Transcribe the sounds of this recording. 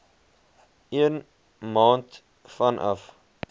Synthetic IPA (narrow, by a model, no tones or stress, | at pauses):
iən | mɑːnt | fɐnʔɐ̰f